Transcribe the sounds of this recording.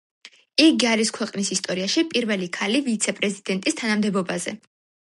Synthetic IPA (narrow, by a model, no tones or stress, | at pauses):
iɡiaɾiskʰwɛqʼnisist̪ʼɔɾiaʃipʼiɾvɛlikʰalivit̪sʰɛpʼɾɛzid̪ɛnt̪ʼist̪ʰanamd̪ɛbɔbazɛ